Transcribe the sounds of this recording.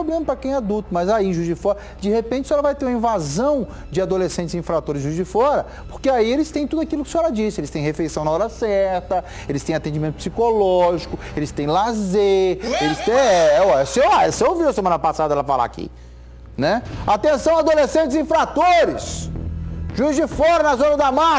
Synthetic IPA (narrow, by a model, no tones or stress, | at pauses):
poblẽmɐpɾɐkẽj̃ad̪ut̪ʊmɐzaiĩʒuzd͡ʒɪfɔɾɐ | d͡ʒɪhepẽt͡ʃɪsɔɛlɐvajt̪eɾũmɐĩvazɐ̃w̃ | d͡ʒɪad̪olesẽnt͡ʃɪzĩfɾat̪oɾɪzʒuzd͡ʒɪfɔɾɐ | poɾkeaielɪst̪ẽj̃t̪ud̪ʊakilʊkɪ̥sĩɔɾɐd͡ʒisɪelɪst̪ẽj̃ɦefejsɐ̃w̃naɔɾɐsɛɾt̪ɐ | elɪst̪ẽj̃at̪ẽd͡ʒimẽnt̪ʊpsikolɔʒikʊelɪst̪ẽj̃lazeelɪst̪ẽɛɔɛsewaseewviwɐsemɐ̃nɐpasad̪ɐɛlɐfa̰la̰ːkḭ | nɛat̪ẽsɐ̃w̃ad̪olesẽnt͡ʃɪzĩfɾat̪oɾɪs | ʒuzd͡ʒɪfɔɾɐnɐzõnɐd̪ɐma